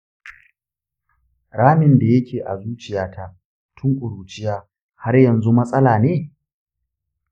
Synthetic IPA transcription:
ɽaː˦mɪ˨nda˨jɐ˦kʲʰeː˨ʔa̰˨zuː˦t͡ʃɪ˨jaː˦tʰa˦ | tʰʊ˦ŋkʷʼʊ˨ɽuː˨t͡ʃɪ˦jaː˦ | ha˦rjɐ˨nzu˦mɐ˦sʼɐ˦laː˨neː˦

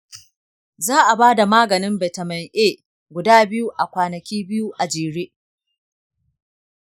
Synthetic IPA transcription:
zaː˦ʔa˨baː˦da˨maː˦ɡɐ˨nɪ˦mbɛ˨tɐ˨mɐ˨ŋʔeː˦ | ɡʷʊ˨daː˦bɪ˦ju˦ʔa˨kʷaː˨nɐ˨kʲiː˦bɪ˦ju˦ʔa˨d͡ʒeː˨ɽeː˦ʔ

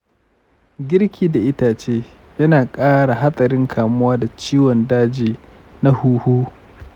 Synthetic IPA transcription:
ɡʲɪ˦ɾkʲʰiː˦da˨ʔɪ˦taː˨t͡ʃeː˦ | jɐ˦naː˨kʼaː˦ɽa˨ɦa˦sʼɐ˨ɾɪ˦ŋkʰaː˨mʊ˦waː˦da˨t͡ʃiː˦wɔ˨ndaː˦d͡ʒiː˨ | na˦huː˦huː˦

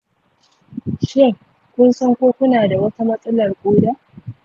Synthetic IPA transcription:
ʃɪ˦ŋ | kʷʊ˦nsɐ˦ŋkʷoː˦kʷʊ˦naː˨da˨wɐ˦ta˦mɐ˦sʼɐ˦lɐ˨rkʷʼoː˦da˦

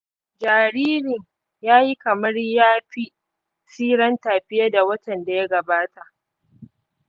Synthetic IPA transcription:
d͡ʒaː˨ɽiː˦ɾɪ˨ɲ | jaː˦ji˦kɐ˨mɐ˦rjaː˦ɸi˦ | siː˦ɽɐ˦ntaː˨ɸɪ˦ja˦da˨wɐ˦tɐ˨nda˨ja˦ɡɐ˨baː˦ta˨ʔ

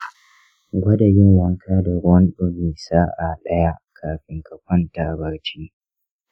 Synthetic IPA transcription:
ɡʷɐ˦dɐ˨ɡɪ˦ŋwɐ˦ŋkʰaː˦da˨ɾʊ˦ɔ˦nɗʊ˦ɡiː˨saː˦ʔa˨ɗɐ˦ja˦kʰaː˨ɸɪ˨ŋkɐ˨kʷɔ˦ntaː˨bɐ˨ɽt͡ʃiː˦

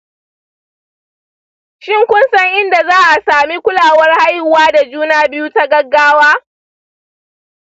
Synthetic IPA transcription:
ʃɪ˦ŋkʷʊ˦nsɐ˦ŋʔɪ˦nda˨zaː˦ʔa˨saː˨mi˦kʷʊ˦laː˨wɐ˦rha˦jhʊ˨waː˦da˨d͡ʒuː˦naː˦bɪ˦ju˦ta˦ɡɐ˦ɡːaː˦waː˦

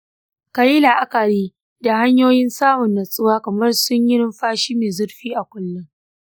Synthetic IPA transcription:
ka˨ji˦la˨ʔa˦kɐ˨ɽiː˦ | da˨ha˦ɲjoː˦jɪ˦nsaː˦mʊ˨nːɐ˨sʼʊ˦waː˦kɐ˨mɐ˦rsʊ˦ɲjɪ˦ɾɪ˦mɸaː˦ʃiː˦meː˨zʊ˦ɽɸiː˦ʔa˨kʷʼʊ˦lːʊ˦ŋ

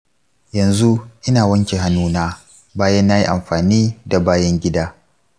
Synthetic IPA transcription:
jɐ˨nzu˦ʔɪ˦naː˨wɐ˦ŋkʲe˨ɦa˦nːuː˦naː˦ | baː˦jɐ˦nːa˦ji˦ʔa˨mɸaː˨niː˦da˨baː˦jɐ˦ŋɡʲɪ˦daː˦

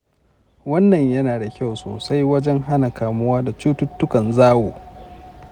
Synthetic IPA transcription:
wɐ˦nːɐ˨ɲjɐ˦naː˨da˨kʲa˦˨wso̰ː˨sa˦jwɐ˦d͡ʒɛ˦ŋɦa˦na˨kaː˨mʊ˦waː˦da˨t͡ʃuː˦tʊ˦tːʊ˦kɐ˨nzaː˦woː˨

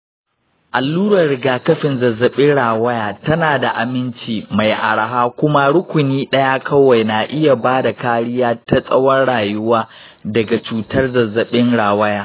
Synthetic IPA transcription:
ʔa˨lːuː˦ɽɐ˨ɾɪ˨ɡaː˨kɐ˦ɸɪ˨nzɐ˨zɐ˨ɓɪ˦ɽaː˨wɐ˦jaː˨tɐ˦naː˨da˨ʔa˨mɪ˦nt͡ʃiː˨ma˨jʔa̰˨ɽa˨ɦaː˦kʷʊ˦ma˦ɽʊ˦kʷʊ˨niː˦ɗɐ˦ja˦kʰɐ˦wa˨jna˨ʔɪ˦ja˨baː˦da˨kaː˦ɽɪ˦jaː˦ta˦sʼɐ˦wɐ˦nɽaː˨jʊ˦waː˦ | dɐ˨ɡa˨t͡ʃuː˨tɐ˦rzɐ˨zːɐ˨ɓɪ˦nɽaː˨wɐ˦jaː˦

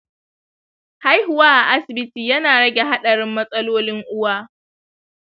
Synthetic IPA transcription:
ha˦jɦʊ˨waː˦ʔa˨ʔa˦sɪ˨bɪ˦tiː˨jɐ˦naː˨ɽɐ˦ɡʲe˨ɦa˦ɗɐ˨ɽɪ˦mːɐ˦sʼɐ˦loː˦lɪ˦ŋʔʊ˦waː˦

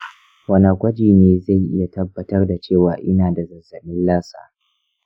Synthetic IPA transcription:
wɐ˦na˨ɡʷɐ˦d͡ʒiː˨neː˨za˦˨jʔɪ̰˦ja˨tɐ˦bːɐ˨tɐ˦rda˨t͡ʃeː˦˨waː˨ʔɪ˦naː˨da˨zɐ˨zɐ˨nɪ˦nlaː˦sa̰ː˨

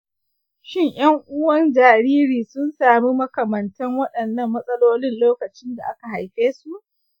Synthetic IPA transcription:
ʃɪ˦˨ɲj̰ɐ˦ŋʔʊ˦wɐ˦nd͡ʒaː˨ɾiː˦ɾiː˨sʊ˦nsaː˨mi˦mɐ˦kɐ˨mɐ˨ntɐ˦ŋwɐ˦ɗɐ˨nːɐ˦˨mːɐ˦sʼɐ˦loː˦lɪ˦nloː˦kɐ˨t͡ʃɪ˦nda˨ʔa˦ka˨ɦa˨jɸeː˦su˦ʔ

